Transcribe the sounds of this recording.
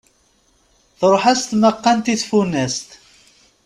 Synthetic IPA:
θɾˤoħast̪məqːænt̪iθfunæst̪

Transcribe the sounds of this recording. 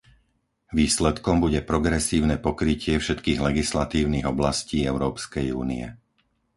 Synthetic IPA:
ʋiːslɛt̪kɔmbuɟɛpɾɔɡɾɛsiːʊnɛpɔkɾicɪɛfʃɛt̪kiːɣlɛɡislat̪iːʊniɣɔblasciːɛʊɾɔːpskɛjṵːniɛ̰

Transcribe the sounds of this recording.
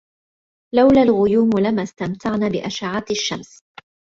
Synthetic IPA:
lawlalɣʊjuːmlamast̪amt̪ʰaʕnaːbɪʔaʃaʕat̪aʃːams

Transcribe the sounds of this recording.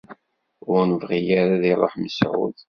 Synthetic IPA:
ʊɾnəvʁijaɾaðiɾˤoħməsʕʊ̰ð

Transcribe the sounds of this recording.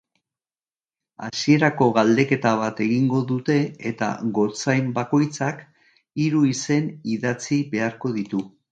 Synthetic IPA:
a̰sie̞ɾako̞ɣald̪e̞ke̞t̪aβ̞at̪e̞ɣiŋɡo̞ðut̪e̞et̪a̰ɣo̞t͡sajmbako̞jt͡sak | iɾuise̞niðat͡siβe̞aɾko̞ðit̪u

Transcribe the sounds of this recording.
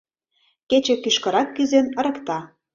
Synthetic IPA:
ket͡ɕĕkyʃkɤ̆ɾɑkːyzenə̆ɾə̆kt̪ɑ

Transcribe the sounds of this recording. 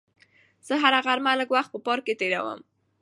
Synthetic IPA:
z̥əɦaɾaɣaɾmaləɡwaxt̪̚pəpɑɾket̪eɾa̰wə̰m

